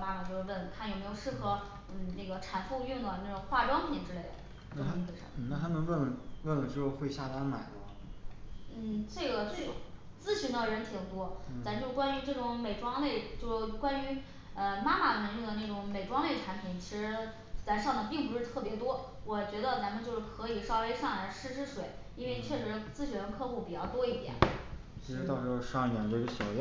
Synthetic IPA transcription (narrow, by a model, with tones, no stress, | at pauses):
ma˥ma˨˩t͡ɕjo˥˧˩ə˥˩n˩kʰa˥˩njo˨˩ʊme˧˥ɪjo˨˩ʊʂɻ̩˥˧xɤ˧˥ | n̩˥˩na˥˩ɡə˩ʈ͡ʂʰa˨˩nfu˥˧ʊy˥˩ŋd̪ə˩na˥˩ʈ͡ʂʊ˨˩ŋxwa˥˩ʈ͡ʂwɑ˥ŋpʰi˨˩nʈ͡ʂɻ̩˥le˥˩ɪd̪ə̰˩˥˩ | wʂə̰˧˥˩m˩na˥˩a˥mə˧nwə˥˩nwə˥˩nlə˨˩ʈ͡ʂɻ̩˥˧˩o˥˧xwe˥˧ɪɕja˥˩t̪a˥ma̰˨˩ɪlwɔ˧˥ | n̩˥˩t͡se˥˩ɪɡə˩t͡swe˥˩ | t͡sɹ̩˥˩ɕi˧˥ŋd̪ə˧ɻə˧˥nt̪ʰi˨˩ŋt̪wɔ˥˩t̪a˧˥nt͡ɕjo˥˧kwa˥ny˧˥ʈ͡ʂɤ˥˩ʈ͡ʂʊ˧˥ŋme˨˩ɪʈ͡ʂwɑ˥ŋle˥˩ɪt͡ɕjo˥˧ʊʂ̩˥˩kwa˥ny˧˥ | ə˧ma˥ma˨˩mə˧˥ɻi˥˩ŋd̪ə˩ne˥˩ʈ͡ʂʊ˧˥ŋme˨˩ɪʈ͡ʂwɑ˥ŋle˥˩ɪʈ͡ʂʰa˧˥npʰi˨˩˦nt͡ɕʰi˧˥ʂɻ̩˧˥ | t͡sa˧˥nʂɑ˥˩ŋd̪ə˩pi˥˩ŋp̬u˧˥ʂɻ̩˥˧t̪ʰɤ˥˩pjɛ˧˥t̪wɔ˥ | wɔ˨˩t͡ɕɥɛ˧˥d̪ə˧t͡sa˧˥nmə˧nt͡ɕjo˥˧ʊʂɻ̩˥˩kʰɤ˧˥i˨˩ʂɑ˥ʊwe˥ɪʂɑ˥˩ŋa˧˩˥ʂɻ̩˥˧ʂʰɻ̩˥ʂwe˨˩˦ɪ | i˥nwe˥˧ɪt͡ɕʰɥɛ˥˩ʂɻ̩˧˥˧t͡sɹ̩˥˧ɕy˧˥˩ə˧˥nkʰɤ˥˧xu˥˩pi˨˩t͡ɕjɑ˥˩ʊt̪wɔ˥i˥˩t̪jɛ̰˨˩˦n | t͡ɕʰi˧˥ʂɻ̩˧˥t̪ɑ˥˩ʊʂɻ̩˥xo˥˧ʂɑ˥˧ŋi˥˩t̪jɛ˨˩nt͡ɕo˥˧ʂ̩˥˩ɕɑ˨˩j